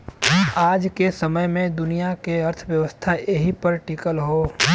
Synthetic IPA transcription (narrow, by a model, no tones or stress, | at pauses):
aːd͡ʒkesɐməjmẽd̪ʊnijakeɐɾt̪ʰʋjəʋəst̪ʰaeɦipəɾʈikəlɦoː